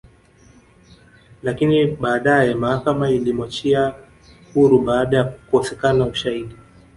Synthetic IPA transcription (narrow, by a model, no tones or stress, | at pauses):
lakiniɓaːɗajɛmahakamailimwat͡ʃia | huɾuɓaːɗajakuɔsɛkanauʃaiɗi